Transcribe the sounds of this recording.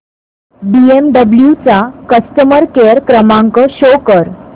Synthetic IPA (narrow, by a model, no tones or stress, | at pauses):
biemɖəbljut͡sakəst̪əməɾkeɾkɾəmaŋkəɕokəɾ